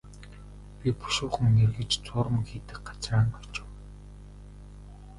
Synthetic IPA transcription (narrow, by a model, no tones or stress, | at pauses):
pʲipu̥ʃʊːχə̆ŋnerɣɘ̆t͡ɕt͡sʊːɾə̆mxiːt̪ɘ̆kɢḁt͡sraːɴɢɔ̥t͡ɕɪ̥̆w